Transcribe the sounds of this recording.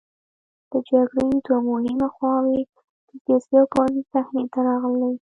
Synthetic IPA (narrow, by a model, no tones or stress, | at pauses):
d̪̥əd͡ʒaɡɽəjd̪wamʊhɪmaxwɑwe | d̪̥əzɑsjɑkɑzisaxnet̪aɾɑɣlːa